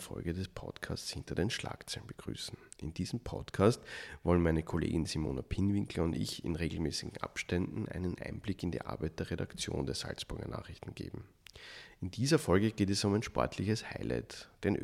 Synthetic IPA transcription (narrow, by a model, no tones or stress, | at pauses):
fɔ̰lɡədɛspʰɔ̰tkʰaːst͡shɪntɐdeːnʃla̰ːkt͡sɛlənbəɡ̥ʁy̰ːsn̩ʔɪnd̥iːzm̩pʰɔ̰tkʰaːstvɔlənmæɪnəkʰolḛːɡɪnzimo̰ːnapʰɪnvɪŋkləʊndɪ̰çɪ̰nʁeːɡl̩mɛːsɪɡŋ̩a̰pʃtɛndn̩ʔæ̰ɪnənʔɪnb̥lɪkɪndḭːʔa̰ɐbæɪt̚d̥eːɐʁeɾakt͡sjo̰ːndeːɐz̥a̰lsb̥ʊɐɡɐ̰na̰ːχʁɪçtn̩ɡ̥ḛːbm̩ | ɪnd̥iːzɐfɔlɡəɡ̥eːtɛsʊmæɪnʃpɔ̰ɐtʰlɪçəshaɪlʔæ̰ɪtd̥eːnʔ